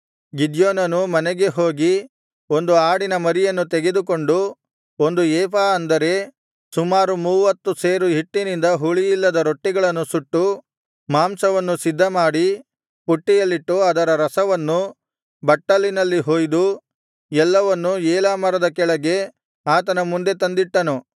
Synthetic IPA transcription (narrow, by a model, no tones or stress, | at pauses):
ɡid͡ʒjoːnɐnumɐnɛɡe̞ɦo̞ːɡi | o̞nd̪uaːɽinɐmɐɾijɐnːut̪ɛɡed̪uk̬o̞ɳɖu | o̞nd̪uɛːpaːɐnd̪ɐɾe̞ | sumaːɾumuːʋɐt̪ːuseːɾuɦiʈːinind̪ɐɦuɭijilːɐd̪ɐɾo̞ʈːiɡɐɭɐnːusuʈːu | maːmsɐʋɐnːusid̪ʱːɐmaːɽi | puʈːijɐlːiʈːuɐd̪ɐɾɐɾɐsɐʋɐnːu | bɐʈːɐlːinɐlːiɦoːjd̪u | ɛlːɐʋɐnːuɛːlaːmɐɾɐd̪ɐkɛɭɐɡe̞ | aːt̪ɐnɐmund̪e̞t̪ɐnd̪iʈːɐnu